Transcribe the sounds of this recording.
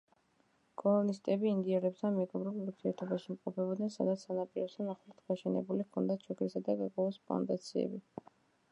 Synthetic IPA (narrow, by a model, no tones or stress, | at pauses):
kʼɔlɔnist̪ʼɛbiːnd̪iaɾɛpst̪ʰanmɛɡɔmɾuuɾt̪ʰiɛɾt̪ʰɔbaʃiimqʼɔpʰɛbɔd̪nɛnsad̪at̪sʰanapʼiɾɔst̪ʰanaχlˠat̪ʰɡaʃɛnɛ̰bulikʰɔnd̪at͡ʃʰɔɡʰɾisad̪aɡaɾɡʼwɛvɔspʰɔ̰nd̪at̪sʰiɛ̰bi